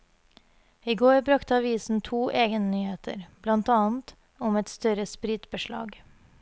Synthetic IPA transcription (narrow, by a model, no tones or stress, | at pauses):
iːɡoːɾbɾɑkt̪əɑʋiːsn̩t̪ʰuːʔeːɡənənyːheːt̪ʰə̰ɾblɑnt̪ɑːnt̪ | ʊmɛt̪st̪œɾəspɾɪt̪bəʃɭɑ̰ːɡ